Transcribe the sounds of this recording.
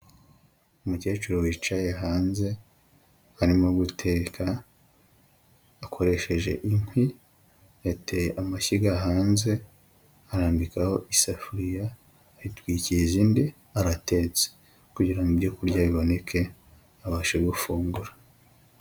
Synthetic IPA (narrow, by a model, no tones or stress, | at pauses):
umuce̞ːt͡ʃeɾo̞wit͡ʃajeɦaːnze̞ | aɾimo̞ɡutʰe̞ːkʰa | kʰo̞ɾe̞ʃe̞ʒe̞̰ʔiŋ̥hwi | jatejeʔamaçiɡaɦaːnze̞ | aɾaːmbikaho̞ʔisafuɾija | ɾitwiːcijeziːndi | aɾate̞ːt͡se̥ | kuɟiɾaŋɡibɟo̞kuɾɟaβiβo̞ne̞kʰe̞ | aβaːʃe̞ɡufuːŋɡuɾḁ